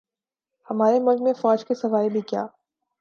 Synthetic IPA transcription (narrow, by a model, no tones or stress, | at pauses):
hɐmaːɾemʊlkmẽfɔːd͡ʒkesɐʋaːjbʱikja̰ː